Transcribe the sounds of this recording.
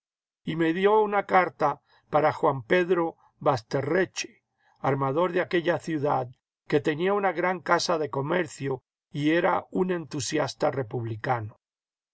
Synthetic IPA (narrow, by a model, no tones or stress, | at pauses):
ime̞ðjo̞unakaɾt̪a | paɾaxwampe̞ðɾo̞ | βast̪e̞ret͡ʃe̥ | aɾmaðo̞ɾðeake̞ʎaθjuðað | ke̞t̪e̞niaunaɣɾaŋkasaðe̞ko̞meɾθjo | ie̞ɾaune̞nt̪usjast̪are̞puβlikano